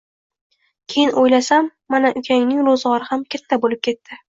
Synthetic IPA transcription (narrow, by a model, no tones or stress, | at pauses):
kʲʰejɪnʔojlasamːanaʔʊkʲʰaŋnɪŋɾozʁɒɾɪhamkʲat̪ʰːabolɪp̚kʲʰe̞t̪ːɪ